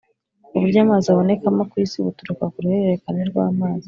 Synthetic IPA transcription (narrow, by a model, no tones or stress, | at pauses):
uβuɾjaːmaːziaβo̞ne̞kamakwiːsiβutuɾukakuɾuhe̞ɾeɾe̞kaneɾɡwa̰ːmaːzi